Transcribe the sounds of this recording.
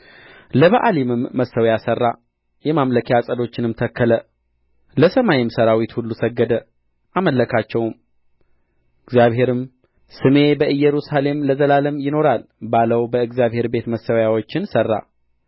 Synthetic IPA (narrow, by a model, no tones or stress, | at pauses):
ləβəʔalimɨmːəsːəwjasərːa | jɛmamləkʰjasʼəd̪o̞t͡ʃːɪnɨmt̪ʰəkːələ | ləsəmajɪmsəɾawit̪hulːusəɡːəd̪ə | ʔaməlːəkʰat͡ʃːɛwm | ʔɨɡzjaβɦe̞ɾɨm | sɨme̞bəʔɨjːɛɾusale̞mləzəlaləmjɪno̞ɾalbaləwbəɨɡzjaβɦhe̞ɾbe̞t̪məsəwjawo̞t͡ʃːɪnsərːa̰